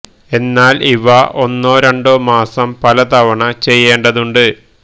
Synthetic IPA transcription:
e̞nːaːliʋɐʔo̞nːoːɾɐɳɖoːmaːsɐmpɐlɐt̪ɐʋɐɳɐt͡ɕe̞jːe̞ːɳɖɐðuɳɖɨ

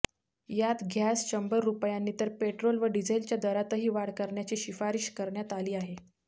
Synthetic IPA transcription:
jat̪ɡʱjasɕəmbəɾːupjanːiːt̪əɾpeʈɾolʋəɖid͡zelt͡ɕjad̪əɾat̪əɦiːʋaɽkəɾɳjat͡ɕiːɕifaɾiɕkəɾɳjat̪aliːaɦe

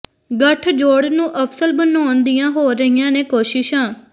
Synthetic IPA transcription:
ɡəʈʰd͡ʒoːɽnũːʔəpʰsəlbənaːnd̪ijãːɦoːɾəɦijãːneːkoːʃɪʃãː

